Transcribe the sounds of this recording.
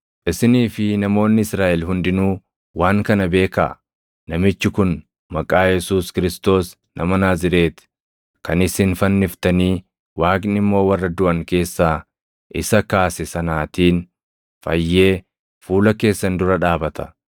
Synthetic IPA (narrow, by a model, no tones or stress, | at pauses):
ʔɪsɪniːfɪnɐmo̞ːnːɪɪsɾaːʔɛlɦʊnd̪ɪnuː | waːŋkɐnɐbe̞ːkɐ̰ | nɐmɪt͡ʃːɪkʊn | mɐkʼaːjɛsuːskɪɾɪst̪o̞ːs | nʔɐ̰mɐnaːzɪɾe̞ːt̪ɪ̥ | kɐnɪsɪnfɐnːɪft̪ɐniː | waːkʼnɪmːo̞ːwɐrːɐd̪ʊʔɐŋke̞ːsːaː | ʔɪsɐkaːsɛsɐnaːt̪iːn | fɐ̰jːe̞ː | fuːlɐke̞ːsːɐnd̪ʊɾɐᶑaːbɐt̪ʰɐ̥